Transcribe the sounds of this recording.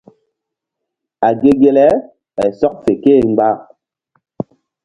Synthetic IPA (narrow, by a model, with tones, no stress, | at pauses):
a˨ɡe˦ɡe˦lɛ˦ | ɓa˨sɔ˦k̚fe˨keː˦˨ŋ͡m̩˦ɡ͡ba˦˨